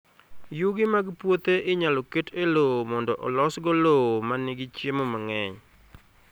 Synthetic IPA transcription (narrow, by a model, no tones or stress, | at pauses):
juɡɪmaɡpwot̪eʔɪɲalɔketʰelomɔndɔʔɔ̰lɔsɡɔloomanɪɡɪt͡ʃjemomaŋɛɲ